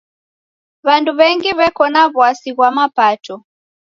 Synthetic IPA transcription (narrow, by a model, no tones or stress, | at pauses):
βanduβɛŋɡiβɛkɔnaβwasiɣwamapatɔ